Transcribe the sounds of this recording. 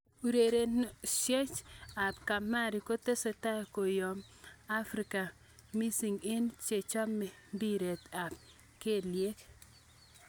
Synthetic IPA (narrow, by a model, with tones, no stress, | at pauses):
u˨ɾe˨ɾe˨nʃe˦t͡ʃa˨pka˨ma˦ɾi˨ko˦te˦se˨ta˦ko˨jɔ˨ma˦fɾi˨ka˨ | mi˦si˨ŋe˦nt͡ʃe˨t͡ʃɔ˦me˨ndi˦ɾe˨t̪a˨p̚ | ke˦lje˦k